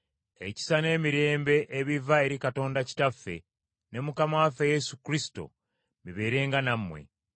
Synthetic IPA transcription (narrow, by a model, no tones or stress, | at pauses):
ḛci̥sane̞ːmiɾe̞ːmbe̞ʔeβivae̞ɾikato̞ːndaci̥tafːe̞̰ | ne̞mukamawafeje̞sukɾisi̥to̞̰ | miβe̞ːɾe̞ːŋɡanamːwe̞̰